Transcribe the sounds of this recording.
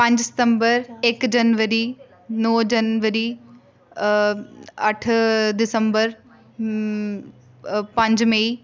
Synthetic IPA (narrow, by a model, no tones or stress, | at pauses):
pɐ̃ɲd͡ʒsɪ̥t̪ə̃mbəɾeːkd͡ʒɐnʋəɾi | noːd͡ʒɐnʋəɾiː | ɐʈʰd̪ɪsə̃mbəɾ | pɐ̃ɲd͡ʒmei